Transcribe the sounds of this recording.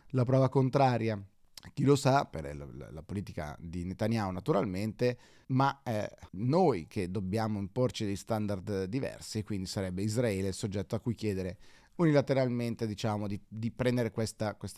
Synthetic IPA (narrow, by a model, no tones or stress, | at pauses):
lapɾɔːvakont̪ɾaːɾja | k̟ilosapḛr̰ll̰lapoliːt̪ika̰d̪inet̪anjaːonat̪uɾa̰lment̪e | maɛnojkʰed̪objaːmoimport͡ʃid̪eʎst̪and̪ard̪d̪ivɛ̰rsikwind̪isaɾɛbːeizɾaɛːlesod͡ʒːɛt̪ːoakːujk̟jɛːd̪eɾe | unilat̪eɾalment̪ed̪it͡ʃaːmod̪id̪ipɾɛnd̪eɾekwest̪akwest̪